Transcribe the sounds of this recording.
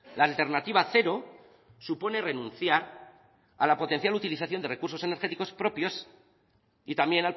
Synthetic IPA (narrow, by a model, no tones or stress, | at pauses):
laːlt̪e̞ɾnat̪iβ̞aθe̞ɾo̞ | supo̞ne̞re̞nũnθjaɾ | a̰lapo̞t̪e̞n̟θjalut̪iliθaθjo̞nd̪e̞re̞kuɾso̞se̞ne̞ɾxe̞t̪iko̞spɾo̞pjo̞s | it̪ambje̞nal